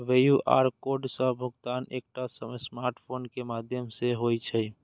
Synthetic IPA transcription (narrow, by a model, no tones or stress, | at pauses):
ʋeːjuʔʔa̰ːɾkoːɖsəbʱʊɡt̪aːneːk̚ʈasəməsmaːɾʈpʰoːnkemaːd̪ʱjəmseɦoːit͡ʃʰɛ